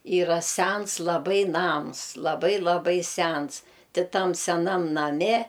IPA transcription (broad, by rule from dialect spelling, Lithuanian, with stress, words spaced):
ˈiːrɐ ˈsʲæns lˠɐˈbɐɪ ˈnɐms lˠɐˈbɐɪ lˠɐˈbɐɪ ˈsʲæns ˈtʲɪ ˈtɐm sʲɛˈnɐm nɐˈmʲɛ